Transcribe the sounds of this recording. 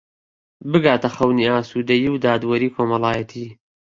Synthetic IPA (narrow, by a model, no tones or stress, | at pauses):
bɨɡaːt̪ɐxɐwniːaːsuːd̪ɐjiwd̪aːd̪wɐɾiːkʰoːmɐlaːjɐt̪ʰiː